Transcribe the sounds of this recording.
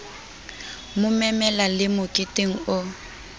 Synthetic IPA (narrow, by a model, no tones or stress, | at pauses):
mʊmɛmɛlalɪmʊkʼɪteŋ̩ʊ